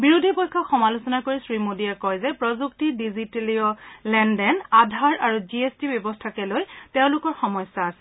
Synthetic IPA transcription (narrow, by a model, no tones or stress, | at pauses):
biɹodʱipɔjkʰːɔxɔmalosɔnakoɹisɹimodiakɔjzɛpɹɔzuktidiziteliɔlɛndɛnadʱaɹaɹuziestibjɔbɔstʰakɛlojteʊ̃lʊkɔɹxɔmɔjsaːsɛ̥